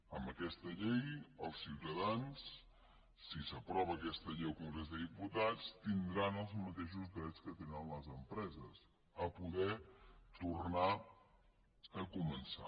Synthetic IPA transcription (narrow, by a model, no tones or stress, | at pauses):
əmbəkɛst̪əʎejəlˠsiwt̪əðansː | isəpɾɔβəːkɛst̪əʎejlkuŋɡɾezðəðiput̪at͡st̪ind̪ɾanəlˠzmət̪eʃ̬uzðɾɛt͡skət̪enənləzəmpɾɛzəs | əpuðɛt̪uɾna | əkumənsa̰